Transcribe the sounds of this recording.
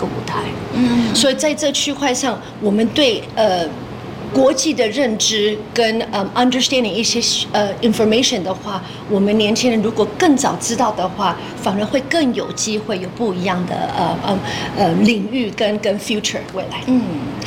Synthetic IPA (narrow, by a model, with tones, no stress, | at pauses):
ə˧ṵ˨˩t̪ʰa˥˩ɪ˥˩swɔ˧˥i˨˩t͡sa˥˧ɪʈ͡ʂɤ˥˧t͡ɕʰy˥˧kʰwa˥˧ɪʂɑ˥˩ŋ | wɔ˨˩mə˦nt̪we˥˩ɪə˧ | kwɔ˧˥t͡ɕi˥˩d̪ə˩ɻə˥˧nʈ͡ʂɻ̩˥kə˥nə˧ɐ˧˦nd̪ə˧st̪æ˥nd̪ɪ˨˩ŋi˥˩ɕjɛ˥ə˧i˧nfɔ˧me˥ɪʂə˨˩nd̪ə˩xwa˥˩ | wɔ˨˩mə˦njɛ˧˥nt͡ɕʰi˥ŋɻə˧˥nɻu˧˥kwɔ˨˩kɤ˥˩ŋt͡sɑ˨˩ʊt͡sɻ̩˥t̪ɑ˥˩ʊd̪ə˩xwa˥˩ | fa˨˩nə˧˥nxwe˥˧ɪkɤ˥˩ŋjo˨˩ʊt͡ɕi˥xwe˥˩ɪjo˨˩ʊpu˥˩i˧˥jɑ˥˩ŋd̪ə̰˩ə˧ʔə˧li˨˩ŋy˥˩kə˥nkə˥nfju˥ʈ͡ʂʰə̰˨˩we˥˩ɪla˧˥ɪ˥˩